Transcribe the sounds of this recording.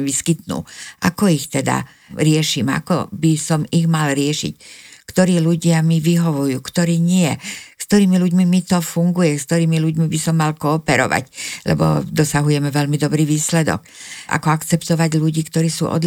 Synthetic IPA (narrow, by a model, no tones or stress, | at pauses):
ʋiskit̪nṵʔa̰kɔixt̪ɛd̪a̰ | ɾɪɛʃima̰kɔ̰bisɔmiɣmalɾɪɛʃḭckt̪ɔɾiːluɟɪamiʋiɦɔʋujuːkt̪ɔɾiːɲɪɛskkt̪ɔɾiːmiluɟmimit̪ɔfuŋɡujɛskt̪ɔɾiːmiluɟmibisɔmːalkɔːpɛɾɔ̰ʋa̰clɛ̰bɔ̰d̪ɔsaɦujɛmɛvɛlmid̪ɔbɾiːʋiːslɛd̪ɔ̰kʔa̰kɔakt͡sɛpt̪ɔʋaɟluɟiːkt̪ɔɾiːsṵːʔɔ̰d̪